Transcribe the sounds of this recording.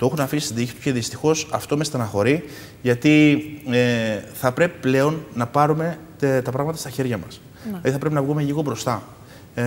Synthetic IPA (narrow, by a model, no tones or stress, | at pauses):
t̪oexunɐfisist̪id̪içisu̥ceðist̪ixo̞sɐft̪o̞me̞st̪ɐnɐxo̞ɾi | ʝɐt̪ieθɐpɾe̞pi̥ple̞o̞nːɐpɐɾume̞ | t̪ɐpɾɐɣmɐt̪ɐst̪ɐçe̞ɾʝɐmɐs | iɐðiθɐpɾe̞p̬inɐvɣume̞ʎiɣo̞bɾo̞st̪ɐ